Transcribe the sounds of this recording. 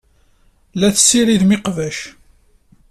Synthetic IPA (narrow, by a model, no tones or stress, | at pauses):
læθəsːiɾiðmɪqvæʃ